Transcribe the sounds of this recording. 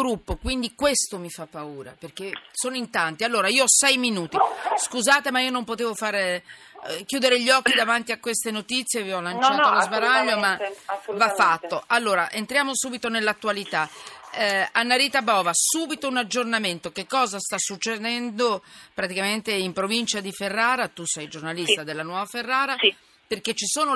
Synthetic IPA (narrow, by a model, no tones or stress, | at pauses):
ɾupːokwind̪ikwest̪omifapːauːɾa̰perk̟esoːnoint̪ant̪ialːoːɾaiːoɔsɛjminuːt̪iskuzaːt̪emaiːonompot̪eːvofaɾ | k̟juːd̪eɾeʎːɔk̟ːid̪avant̪iakːwest̪enot̪it̪sːjeviɔlːant͡ʃat̪olozbaɾaʎːomavafːat̪ːoʔalːoːɾaʔent̪ɾjaːmosuːbit̪onelːat̪ːualit̪a | anːaɾiːt̪abɔːvasuːbit̪ounad͡ʒːornament̪okekːɔːzast̪asːut͡ʃːed̪ɛnd̪opɾat̪ikament̪eimpɾovint͡ʃad̪iferːaːɾat̪usɛjd͡ʒornalistt̪ad̪elːanwɔːvaferːaːɾa | perket͡ʃːisoːno